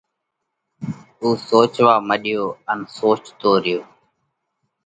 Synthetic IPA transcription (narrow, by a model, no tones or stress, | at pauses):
uːsoːt͡ʃʋaːməɗɪjoːənsoːt͡ʃt̪oːɾɪjoː